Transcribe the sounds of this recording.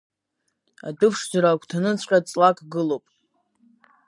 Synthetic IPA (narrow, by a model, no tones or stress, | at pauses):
a̰dɨpʰʂd͡zaɾakʷʰʼtʰanɨt͡sʰʷʼqʲʼat͡sʼlakʼɡɨlowpʼ